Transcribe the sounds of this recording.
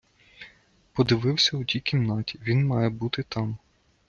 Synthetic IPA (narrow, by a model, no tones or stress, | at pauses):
pɔd̪ɪʋɪwsʲɐʊtʲikʲimnɑtʲiʋʲinmɑjɛbut̪ɪt̪ɑm